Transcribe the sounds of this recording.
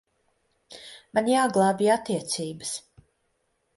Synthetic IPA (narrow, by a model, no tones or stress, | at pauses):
manjaːɡlˠaːbiːat̪ːiɛt̪siːbəs